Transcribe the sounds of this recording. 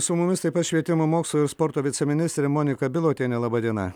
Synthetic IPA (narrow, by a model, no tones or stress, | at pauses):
sʊmʊmʲɪst̪ɐɪpɐt̪ʃʲʋʲiɛt̪ʲɪmoːmoːkslˠuɪɾspɔɾt̪oːʋʲɪt̪sʲɛmʲɪnʲɪst̪ʲɾʲɛmoːnʲɪkɐbʲɪlˠoːt̪ʲeːnʲɛlˠɐbɐd̪ʲiɛnɐ̰